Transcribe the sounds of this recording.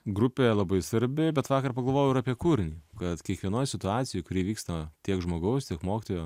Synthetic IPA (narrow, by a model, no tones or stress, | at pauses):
ɡɾʊpʲeːlˠɐbɐɪsʋɐɾʲbʲɪbʲɛt̪ʋɑːkɐrpɐɡɐlˠʋoːjʊɪɾaːpʲiɛkuːɾʲɪnʲiːkɐt̪kʲiɛkʋʲiɛnoːjsʲɪt̪ʊɑːt͡ssʲɪjoːjkʊɾʲiːʋʲiːkst̪ɐt̪ʲiɛkʒmoːɡɐʊst̪ʲiɛkmoːkʲɪ̥t̪oːjoː